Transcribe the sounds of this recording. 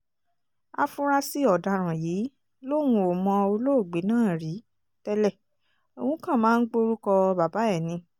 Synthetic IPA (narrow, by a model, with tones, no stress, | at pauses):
a˧fũ˦ɾa˦si˦ɔ˨da˨ɾ̃ã˨ji˨˦ | lo˦˨˦w̃ũ˧o˨mɔ̃˧o˧lo˦o˦˨ɡ͡be˨˦nãː˦˨ɾi˨˦ | tɛ˦lɛ˦˨ | o˨w̃ũ˨˦kã˦˨mãː˨˦n̩˦ɡ͡bo˧ɾu˦kɔ˧ba˨ba˨˦ɛ˦˨nĩ˧˦